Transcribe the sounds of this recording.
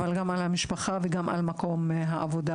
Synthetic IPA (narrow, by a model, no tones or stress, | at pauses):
valɡamalhamiʃpaχaveɡamʔa̰lmako̞mɦaʔavo̞d̪a